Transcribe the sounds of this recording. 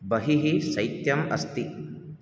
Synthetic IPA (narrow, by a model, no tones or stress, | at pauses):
bɐɦiɦisɐjt̪jɐmɐ̰st̪i